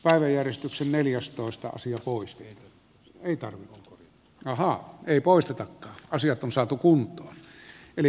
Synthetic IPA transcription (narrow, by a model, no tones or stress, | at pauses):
pæˑeʋæjjærjest̪yksenneljæst̪oˑest̪ɑ̰ɑ̰siɑpoˑist̪ɑeˑi | eˑit̪ɑrʋioŋkorjɑt̪ːɑ̥ɑhɑeˑipoˑeist̪et̪ɑkːɑːɑsijɑt̪ʔonsɑːt̪ukunt̪ˑoːneli